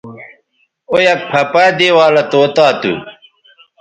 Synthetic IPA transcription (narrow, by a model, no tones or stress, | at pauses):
ojɐpʰɐpaːd̪eːwaːlɐt̪oːt̪aːt̪ṵ